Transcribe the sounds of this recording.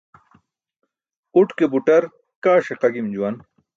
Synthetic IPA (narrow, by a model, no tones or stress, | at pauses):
uʈkebuʈɐɾ | kaːʂeqɐɡimd͡ʑuwɐn